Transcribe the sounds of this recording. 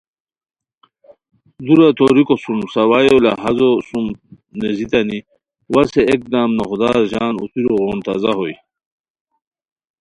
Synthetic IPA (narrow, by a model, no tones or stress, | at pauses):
d̪uɾat̪oɾikosumsɐwajola̰ɦazosum | nezit̪ɐni | waseek̚d̪aːmnoxd̪aːɾʑaːnṵt͡siɾoɣoːnt̪azaɦoj